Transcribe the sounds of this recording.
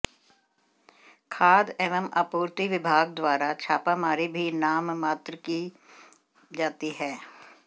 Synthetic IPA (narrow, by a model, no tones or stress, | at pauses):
kʰaːd̪ɛʋəma̰ːpuːɾt̪iʋɪbʱaːɡ̚d̪waːɾat͡ʃʰaːpamaːɾibʱinaːmːaːt̪ɾəki | d͡ʒaːt̪iɦɛː